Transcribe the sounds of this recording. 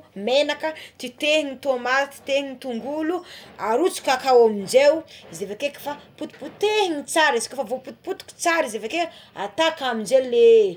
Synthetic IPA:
menakət̪it̪eɦiɲit̪oamaɾat̪i̥t̪ehiɲit̪uŋɡuluaɾut͡su̥kʲakawamind͡ʒewizevekeki̥faput̪i̥put̪eɦiɲit͡saɾisi̥kʲafavoput̪i̥put̪u̥kʲi̥t͡saɾizeveke | a̰t̪akamind͡ʒele

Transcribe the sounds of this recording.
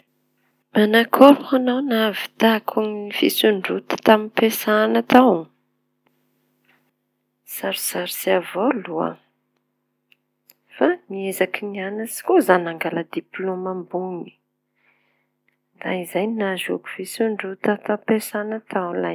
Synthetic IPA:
manakʰoɾuhanawnavi̥t̪akʰuŋnifisuɳɖ͡ʐut̪ə̥t̪aminpesanat̪aw | saɾisaɾisiavolua̰ | famiezakinianəsi̥kozanaŋɡalad̪iplomambuni̥ | d̪aizajnazo̰ku̥fisuɳɖ͡ʐut̪ət̪apesanat̪ʰawla̰j

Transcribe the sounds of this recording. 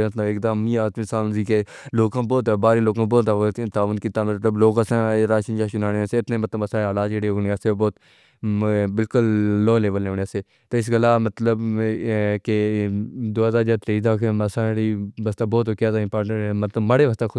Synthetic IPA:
eət̪ləɪkd̪aːmĩːaːt̪misaːnsiːke | loːkãːboːt̪ːbaːɾeːloːkãːboːt̪at̪aːʋənkiːt̪aːmət̪ləbloːkəsãːɾaːʃənd͡ʒaːʃʊnaːɽeːseɪt̪nẽːmət̪ləbəsaːalaːd͡ʒeːɽeːoneəseboːt̪ | bɪlkʊlːoːleːʋəleːneəseː | t̪oːɪs̬ɡəlaːmət̪ləb | ke | d̪oːɦəzaːd͡ʒaːɾt̪ɾeːd̪aːkʰẽməsãːɽiːʋəst̪aːboːt̪ːkjaːzaːɪ̃mpaːɾʈəʈeːmət̪ləbməɽeːʋəst̪aːkʰ

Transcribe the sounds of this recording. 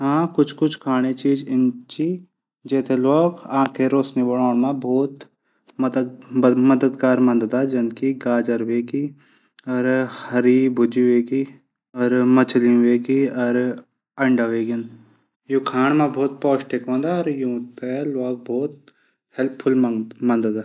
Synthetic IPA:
ɦãːkʊt͡ʃʰkʊt͡ʃʰkʰaːɽ̃et͡ʃiːd͡ʒɪnt͡ʃi | d͡ʒɛːt̪ʰeloːɡãːkʰeɾoːsnibəɽaːɽ̃mãbɔːt̪ | mmɐd̪əd̪ɡaːɾmɐ̃nd̪d̪ad͡ʒɐnkiɡaːd͡ʒəɾʋeːɡi | ɔɾhɐɾibʊd͡ʒiʋeːɡi | ɔɾmət͡ʃlĩʋeːɡiɔɾ | ɐɳɖaʋeːɡɪn | jukʰaːɳmãbʱɔːt̪̚pɔːʃʈekʋõːnd̪aɔɾjũːt̪eloːɡ̚bʱɔːt̪̚ | hɛlpʰːʊlmɐnd̪d̪aː

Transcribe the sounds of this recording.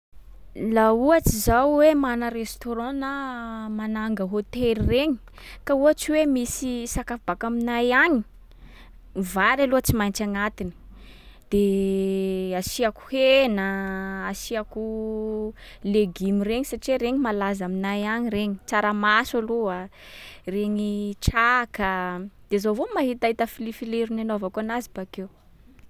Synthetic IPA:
lauat͡sizawwemanəɾest̪oɾɑ̃namanaŋɡəɦot̪elireɲi̥ | kauat͡siwemisisakafb̥akaminajaɲi | vaɾaluat͡simajnt͡ʃaŋat̪ini̥ | d̪̥e | asiaku̥henəːsiaku | leɡimireɲisaʈ͡ʂiweɾeɲimalazaminajaɲireɲit͡saɾamasalua | reɲiʈ͡ʂakəd̪̥ezovomaɦit̪aɦit̪əfilifileɾinanovakuanazibakew

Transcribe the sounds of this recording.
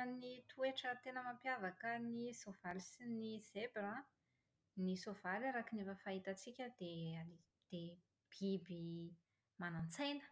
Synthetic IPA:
nit̪ʰueʈ͡ʂət̪enəmampjavakənisov̥aɾisiniz̥ebɾa | nisovaɾiɾakinevəfait̪ət͡sikʲəd̪̥eali | d̪̥e | b̥ibi | manant͡sajnə̥

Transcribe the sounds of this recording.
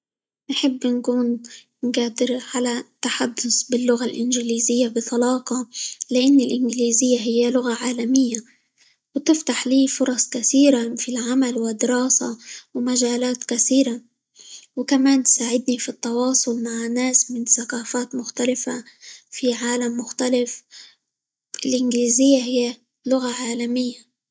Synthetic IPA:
nħɪbːɪnkuːn | nɡaːd̪ɪɾʕalat̪ːaħad̪ːʊsbɪlːʊɣalʔɪnʒɪliːzɪjːabɪt̪ˤɑlɑːqɑlɪʔanːɪlʔɪnɡliːzɪjːaɦɪjːalʊɣaʕaːlamɪjːa | wt̪ɪft̪aħliːfʊɾˤɑsˤkaθiːɾafilʕamalwɪd̪ːɪɾɑːsa̰wmaʒaːlaːt̪kaθiːɾa | wɪkamaːnt̪saːʕɪd̪nifit̪ːɑwɑːsˤʊlmaʕnːaːsmɪnθaqaːfaːt̪mʊxt̪alɪfafiʕaːlamːʊxt̪alɪf | ʔɪlʔɪnɡliːzɪjːaɦɪjːa | lʊɣaʕaːlamɪjːa

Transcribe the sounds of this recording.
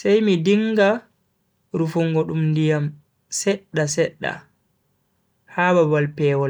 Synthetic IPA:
sajmidiŋɡa | ɾufuŋɡɔɗumndijam | sɛɗːasɛɗːa̰ | haːbabalpɛːwɔl

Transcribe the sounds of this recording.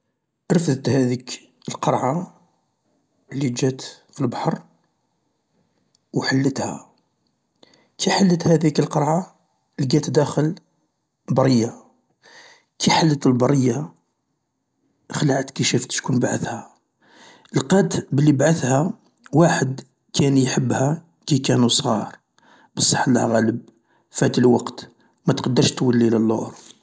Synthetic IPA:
ɾəfd̪ət̪hæd̪ik | əlqɑɾˤʕa | lːid͡ʒæt̪ | filbɑħɑɾˤ | wħalːət̪hæ̰ | kʰiħalːət̪hæd̪ikəlqɑɾˤʕa | lɡæt̪d̪æxəl | bɑɾˤəjːa | kʰiħalːət̪əlbɑrˤːəjːa | xlaʕət̪kiʃəft̪ʃkunbaʕəθhæ | ʔəlqɑt̪bəlːibaʕəθhæ | waħəd̪ | kʰænjħəbːhæ | kikænusˤɣɑ̰ɾˤ | bəsˤːɑħlæ̰hɣæləb | fæt̪əlwɑqt̪ | mæt̪qɑd̪ːəɾʃt̪wəlːiləlːoʔɾ

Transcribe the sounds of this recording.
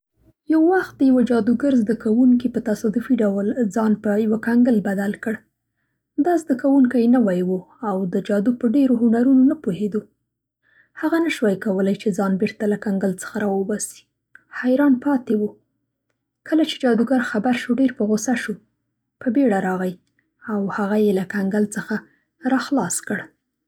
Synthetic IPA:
jawːaxt̪̚d̪əjawad͡ʒɑd̪uɡəɾzd̪əkawuŋkipət̪asɑd̪ʊfiɖawəld͡zɑnpəjawakaŋɡəlbad̪alkəɽ | d̪ɑzd̪əkawuŋkajnəwajwu | awd̪əd͡ʒɑd̪upəɖeɾoɦʊnaɾunonapohed̪o | haɣanaʃwajkawəlajt͡ʃed͡zɑnbeɾt̪alakaŋɡəlt͡sə̥xaɾɑwəbɑsi̥ | hajɾɑnpɑt̪ewu | kəlat͡ʃe̥d͡ʒɑd̪uɡaɾxabaɾʃoɖeɾpəɣosaʃu | pəbeɽaɾɑɣaj | awhaɣajelakaŋɡəlt͡səxa | ɾɑxlɑskəɽ

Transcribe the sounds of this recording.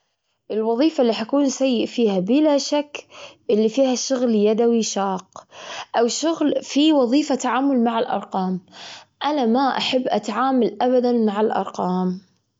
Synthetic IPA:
ʔɪlwɑðˤiːfalːiːħakuːnsajːɪʔfiːhabɪlaʃakːʔɪlːifiːhaʃʊɣljad̪awiʃɑːqʔawʃʊɣlfiwɑðˤiːfat̪aʕaːmʊlmaʕɪlʔɑ̰ɾˤqɑːmʔanamaʔaħabːʔat̪ʕaːmalʔabad̪anmaʕalʔɑ̰ɾˤqɑːm

